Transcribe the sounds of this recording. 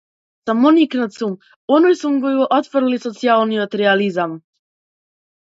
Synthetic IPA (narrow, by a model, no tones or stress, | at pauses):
samoniknat̪sum | onojsumɡojuʔot̪fɾlisot̪sijalˠniot̪ɾɛalizam